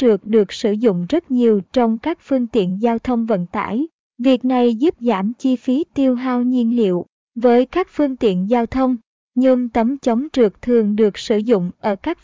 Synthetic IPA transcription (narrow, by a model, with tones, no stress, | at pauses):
t͡ɕɨ˨˩ək̚ɗɨ˨˩ək̚sɨ˧˩zʊ̰˧˨ŋ͡mzə˦˥t̚ɲi˨˩əwt͡ɕɔ˧wŋ͡mkaː˦˥k̚fɨ˧əŋt̪ḭ˧˨ənzaː˧wt̪ʰə˧wŋ͡mvə̰˧˨nt̪a̰ː˧˩j | vi˨˩ək̚na˨˩jzu˦˥p̚za̰ː˧˩mt͡ɕi˧fi˨˦t̪i˧əwɦaː˧wɲi˧ənlḭ˧˨əw | vəː˨˦jkaː˦˥k̚fɨ˧əŋt̪ḭ˧˨ənzaː˧wt̪ʰə˧wŋ͡m | ɲɨ˧ŋt̪ə˨˦mt͡ɕə˨˦wŋ͡mt͡ɕɨ˨˩ək̚t̪ʰɨ˨˩əŋɗɨ˨˩ək̚sɨ˧˩zʊ̰˧˨ŋ͡mʔəː˧˩kaː˦˥k̚